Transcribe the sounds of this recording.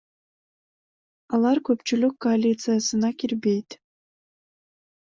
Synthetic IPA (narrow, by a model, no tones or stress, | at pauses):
alarkʷʰapʰt͡ʃʰɪlʲukʰːoalʲit͡sʰɨjasɨnakʲirbe̞jtʼ